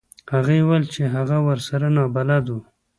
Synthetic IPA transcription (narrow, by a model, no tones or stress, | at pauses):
haɣewalt͡ʃeɦaɣawaɾsaɾanɑbalad̪u